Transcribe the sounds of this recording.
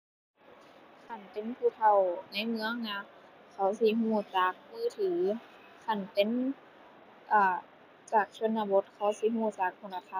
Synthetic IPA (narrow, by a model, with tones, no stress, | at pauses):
kʰa˧˩npe˨˦npʰuː˧˩˨t̪ʰa˧˩wna˧˥˨jmɯ˧˥˨ə˨ŋna˧˥ | kʰa˧˩wsi˧˦ɦuː˧˩t͡ɕaː˨˦k̚mɯː˧˥˨t̪ʰiː˨˩ | kʰa˧˩npe˨n | ʔaː˧˩ | t͡ɕaː˨˩k̚sʰo˧˥˨nːa˧bo˧˦t̪̚kʰa˧˩wsi˧˦ɦuː˧˩˨t͡ɕaː˨˩k̚pʰo˧˩˨la˧t̪ʰa˧˨